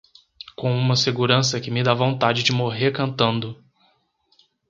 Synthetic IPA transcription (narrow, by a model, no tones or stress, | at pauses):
kõw̃ũmɐseɡuɾɐ̃s̬ɐkɪmɪd̪avõnt̪ad͡ʒɪd͡ʒɪmoɦeɾkɐ̃nt̪ɐ̃nd̪ʊ